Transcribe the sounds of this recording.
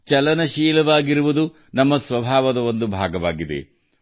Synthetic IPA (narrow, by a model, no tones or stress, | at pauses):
t͡ʃɐlɐnɐʃiːlɐʋaːɡiɾuʋud̪u | nɐmːɐsʋɐbʱaːʋɐd̪ɐo̞nd̪ubʱaːɡɐʋaːɡid̪ḛ